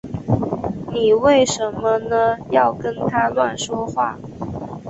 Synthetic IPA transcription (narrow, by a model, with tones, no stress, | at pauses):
ni˨˩we˥˩ɪʂə˧˥nmə˦nə˧jɑ˥˩ʊkə˥nt̪ʰa˥lwa˥˩nʂwɔ˥xwa̰˥˩